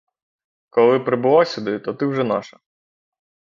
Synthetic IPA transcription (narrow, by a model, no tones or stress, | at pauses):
kɔlˠɪpɾɪbʊlˠɑsʲʊd̪ɪt̪ɔt̪ɪwʒɛna̰ʃɐ